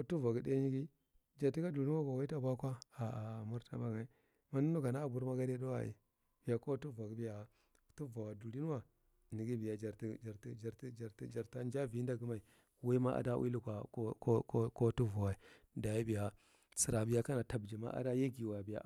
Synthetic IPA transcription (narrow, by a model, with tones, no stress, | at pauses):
ko˦tu˦va˨ɡi˦de˦ni˦ɡi˦ | d͡ʒa˨ɾti˦ka˦du˨li˦n˦a˦ɡo˨wa˦ta˦ba˦kʷa˦a˨mu˦ɾta̰˦ba˦ɡa˨i˦ | ma˦nu˦nu˦ɡa˨na˦˨bu˨˦ɾma˦ɡa˦de˦do˦wa̰˨ʔḭ˨ | b̥i˨ja˨ko˦tu˦va˨ɡi˨˦bi˦ja˨ | tu˦va˨wa˨du˨li˦n˦wa˦ | ni˨ɡi˦bi˨ja˨d͡ʒa˨ɾti˦d͡ʒa˨ɾtd͡ʒa˨ɾd͡ʒa˨ɾtd͡ʒa˨ɾta˦nd͡ʒa˦vi˨˦n˦da˦ɡu˦ma˨i˨ | wa˦i˦ma˦ʔa̰˨da˦wʔḭ˦lu˦˨kʷa˨o˦ko˦ko˦ko˦tu˦vu˨wa˨i˨da˨ji˦bi˨ja˨ | si˨ɾa˨bi˦ja˦ka˦na˨ta˨bd͡ʒi˨ma̰˦ʔa̰˦da˦je˦ɡi˨wa˨bi˨ja̰˨